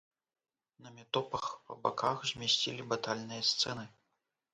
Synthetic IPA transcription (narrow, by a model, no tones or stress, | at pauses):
nɐmʲɛt̪ɔpɐxpɐbakʰaxzʲmʲɛsʲt͡sʲilʲibat̪alʲnɨjɐst̪sɛnɨ